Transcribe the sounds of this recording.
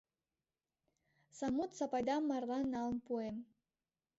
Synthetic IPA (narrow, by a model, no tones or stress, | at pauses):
samutʰsapʼajdamːarlanalmpʰʼuem